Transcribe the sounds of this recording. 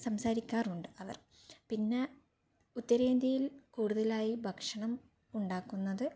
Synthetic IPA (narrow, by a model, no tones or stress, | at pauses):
sɐmsaːɾikʲːaːruɳɖɨɐʋɐ̰r | pinːe̞ | ut̪ːɐɾeːnd̪ʱɐjilkuːɽuðɐlaːjibʱɐkʂɐɳɐm | uɳɖaːkːunːɐðɨ